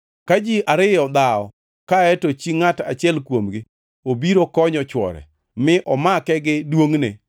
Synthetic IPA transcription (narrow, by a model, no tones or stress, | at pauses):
kad͡ʒiʔaɾɪjɔd̪aɔ̰ | kaɛtot͡ʃiŋata̰t͡ʃɪɛlkwomɡɪ | obiɾokɔɲɔt͡ʃwɔ̰ɾɛ̰ | mɪʔɔmakɛɡɪdwoŋnḛ